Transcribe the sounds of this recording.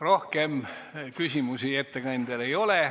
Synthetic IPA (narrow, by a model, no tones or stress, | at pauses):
ro̞hkemkysʲimusie̞t̪ːekɑnʲd̪̥ele̞jo̞le